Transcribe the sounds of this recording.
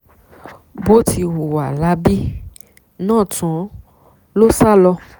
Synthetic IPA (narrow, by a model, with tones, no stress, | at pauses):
bo˦tʰi˧wo˨wa˨la˨˦bi˦ | nãː˦˨tɔ̃˨˦ | lo˦sa˦lɔ˧